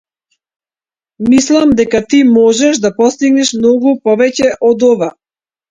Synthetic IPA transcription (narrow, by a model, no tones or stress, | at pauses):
mislˠamd̪ɛkat̪imɔʒɛʃd̪apɔst̪iɡnɛʃmnɔɡupɔvɛcɛʔɔd̪ɔva